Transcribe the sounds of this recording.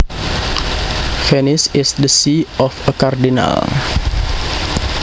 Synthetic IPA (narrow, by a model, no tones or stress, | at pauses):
fɛnɪsɪsdəsiɔfəkardina̰l